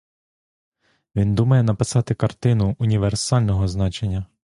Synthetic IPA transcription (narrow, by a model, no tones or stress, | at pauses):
ʋʲind̪umɐjɛn̪ɐpɪsɑt̪ɪkɐrt̪ɪnʊʊnʲiʋersɑlʲnɔɦɔznɑt͡ʃenʲːɐ